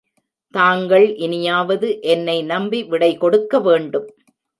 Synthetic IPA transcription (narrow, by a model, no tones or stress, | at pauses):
t̪aːŋɡɐɭʔɪnɪjaːʋɐðɯʔɛnːɐɪnɐmbiʋɪɽɐɪkɔɽɯkːɐʋeːɳɖɯm